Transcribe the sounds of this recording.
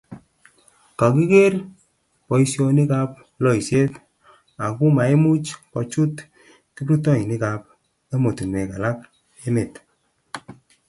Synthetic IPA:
ka˨ki˦ke˦r | pɔ˨i˦sjɔ˧ni˦ka˧p̚ | lɔ˦i˨se˦t | a˨ku˦ma˨e˦mu˦t͡ʃkɔ˨t͡ʃu˦t | ki˦bɾu˦tɔ˦i˨ni˦ka˨p | e˦mo˨tu˨ne˨ka˨la˦k | e˦me˨t

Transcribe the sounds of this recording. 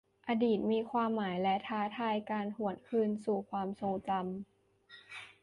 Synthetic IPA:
ʔaː˧diː˨˩t̪̚miː˧kʰwaː˧mːaː˩˦jlɛ˦˥t̪ʰaː˦˥t̪ʰaː˧jkaː˧nhu˨˩ənkʰɯː˧nsuː˨˩kʰwaː˧mso˧ŋt͡ɕa˧m

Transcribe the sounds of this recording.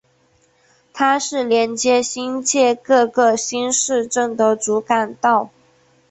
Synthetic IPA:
t̪ʰa˥ʂɻ̩˥˩ljɛ˧˥nt͡ɕjɛ˥ɕi˥nt͡ɕjɛ˥˧kɤ˥˧ɡɤ˥˧ɕi˥nʂɻ̩˥˧ʈ͡ʂɤ˥˩ŋd̪ə˧˩t͡su˧˥ka˨˩nt̪ɑ˥˩ʊ

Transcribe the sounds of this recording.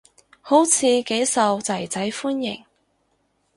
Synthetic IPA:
ho˨˥wt͡sʰiː˨˧ke˨˥jsɐ˨wt͡sɐ˨˩jt͡sɐ˨˥jfuː˥njɪ̰˨˩ŋ

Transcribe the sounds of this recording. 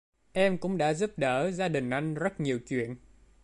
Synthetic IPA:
ʔɛ˧mkʊ̰˧˥ŋ͡mɗa̰ː˧˥zu˦˥p̚ɗəː˧˩zaː˧ɗï˨˩ŋ̟ʔa˧jŋ̟zə˦˥t̚ɲi˨˩əwt͡ɕwḭ˧˨ən

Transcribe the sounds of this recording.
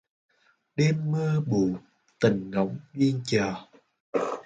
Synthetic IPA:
ɗɛ˧mːəː˧ɓu˨˩ | t̪ï˨˩ŋ̟ŋə˨˦wŋ͡mvi˧ənt͡ɕəː˨˩

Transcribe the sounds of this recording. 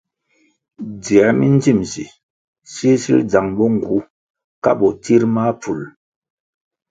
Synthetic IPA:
d͡zi˨a˨˦mi˦n˦d͡zi˦˨mzḭ˨ | si˦sḭ˦ld͡za˨ŋbɔ˦ŋ̩˨ɡu˨˦ | ka̰˦bɔ˨ti˦ɾma˦pu˨l

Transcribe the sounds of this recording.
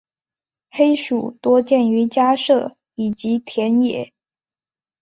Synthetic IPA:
xe˥ɪʂu˨˩˦t̪wɔ˥t͡ɕjɛ˥˩ny˧˥t͡ɕja˥ʂɤ˥˩ | i˨˩t͡ɕi˧˥t̪ʰjɛ˧˥njɛ̰˨˩˦

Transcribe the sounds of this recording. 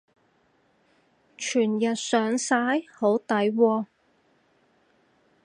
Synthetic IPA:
t͡ʃʰyː˨˩njɐ˨t̚sœː˨˥ŋsaː˨˥jho˨˥wt̪ɐ˨˥jwɔː˧

